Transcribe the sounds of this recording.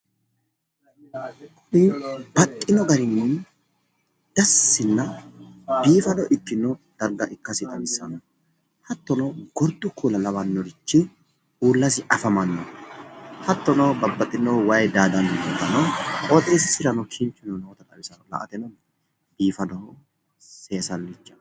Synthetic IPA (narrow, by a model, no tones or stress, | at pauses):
kʰʼʊnɪb̥ɐkʼːɪnɔɡɐɾɪnːɛn | d̪̥ɐsːɪnːɐ | biːfɐnɔʔɪk̪ːɪnːɔd̪̥ɐɾɡɐʔɪkːɐsɪt̪ʼɐmɪsːɐnɔ | hɐt̪ːɔnɐɡɔɾd̪ʊkʰuːlɐlɐβɐnːɔɾɪt͡ʃːɪ | uːlːɐsɪʔɐfɐmɐnːɔ̰ | hɐt̪ːɔnɐwbɐbːɐt̪ʼːɪnːɔwɐjd̪aːd̪ɐnjɔt̪ːɐnɔʔɔt̪ʼeːssɪɾɐnɔkʰɪnt͡ʃːʊnɔnoːt̪ɐt̪ʼɐbɪsɐnɔlɐ̰ʔɐt̪ɛnɔ | b̥iːfɐnɔh | se̞ːsɐlːɪt͡ʃːɐ̥